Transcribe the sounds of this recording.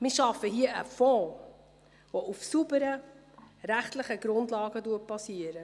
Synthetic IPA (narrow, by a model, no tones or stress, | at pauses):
mɪːʃɑfːəɦiəʔə̰fɔː | ʋoʔufsubəɾə | ɾæχtləχəɡ̥ɾʊndlɑːɡəduət̚pɑsiəɾə